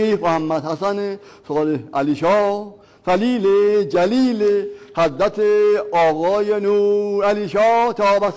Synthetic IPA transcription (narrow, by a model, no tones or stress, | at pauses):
iːmohæmːæd̪hæsanesɔd̪eæliʃɒː | fæliːled͡ʒæliːlehæzɾat̪ʰeɒːɣɒːjenuːɾæliːʃɔːt̪ʰɒːbas